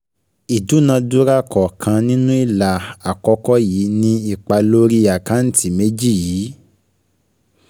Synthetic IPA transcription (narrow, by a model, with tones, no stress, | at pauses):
i˨du˨˦nã˧du˦ɾa˦kɔ˨kʰã˧nĩ˦nũ˦i˦˨la˨a˨kɔ˧˦kɔ˦jiː˨˦nĩ˧i˦˨k͡pa˧lo˦ɾi˦a˨ka˨˦n̩˦ti˦˨me˦d͡ʒi˦˨jiː˨˦